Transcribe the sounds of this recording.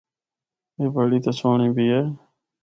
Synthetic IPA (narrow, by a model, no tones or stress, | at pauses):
eːbəɽiːt̪asoːɳĩːbiːeː